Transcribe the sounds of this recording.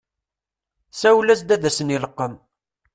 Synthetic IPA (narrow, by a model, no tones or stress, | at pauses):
sæwlæsd̪æðæsəniləqːəm